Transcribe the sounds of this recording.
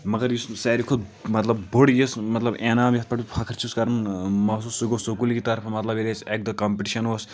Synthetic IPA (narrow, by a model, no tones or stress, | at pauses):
mɐɡɐɾjussɛːɾikʰud̪̚mɐt̪lɐbboɽjismɐt̪lɐbeːnaːmɐt̪pɐʈipʰɐkʰɐɾt͡ʃʰuskɐɾɐnmɐs̬usuɡosokulkit̪ɐɾpʰɐmɐt̪lɐbelesek̚d̪ɐkɐmpeʈiʃɐnʋos